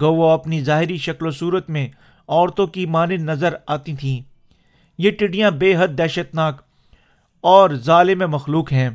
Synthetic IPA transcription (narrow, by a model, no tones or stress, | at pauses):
ɡɐwoɐpnizaːɦɪɾiʃɐklosuːɾət̪mẽ | ɔːɾt̪õkimaːnɪnɐzəɾaːt̪it̪ʰĩː | jeʈɪɖijãbeːɦəd̪̚ːɛːʃət̪naːk | ɔːɾzaːlɪmẽmɐxluːkɦɛ̃ː